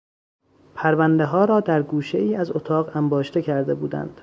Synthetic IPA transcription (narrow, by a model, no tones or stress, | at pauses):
pʰæɾvænd̪e̞ɦɒːɾɒːd̪æɾɡuːʃe̞̰iːæzot̪ʰɒːɣæmbɒːʃt̪ecʰæɾd̪e̞buːd̪æ̰nd̪̥